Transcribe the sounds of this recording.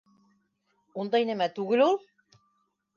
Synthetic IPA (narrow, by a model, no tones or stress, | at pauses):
und̪ɑjnæmæt̪ʉɡɘlulˠ